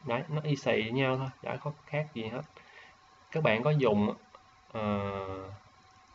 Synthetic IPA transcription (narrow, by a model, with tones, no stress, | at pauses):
ɗə˨˦jnɔ˨˦ʔi˧sḭ˧˩˨ɲa˧wt̪ʰo˧jɗa̰ː˧˥kɔ˨˦xaː˦˥k̚zi˨˩ɦəː˦˥t̚ | kaː˦˥k̚ɓa̰ː˧˨nkɔ˨˦zʊ˨˩˨ŋ͡ma˧˨ | ʔəː˨˩